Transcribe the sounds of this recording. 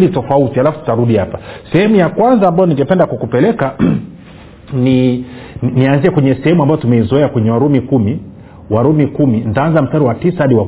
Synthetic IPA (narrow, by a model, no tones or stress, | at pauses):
litɔfautialafutu̥taɾuɗihapasɛhɛmujakwanzaːmbajɔniŋɡɛpɛndakwakupɛlɛka | ni | nianziɛkwɛɲɛsɛhɛmuambajɔtumɛizɔɛakwɛɲɛwaɾumikumi | waɾumikumin̩taanzam̩staɾiwatisahaɗiwa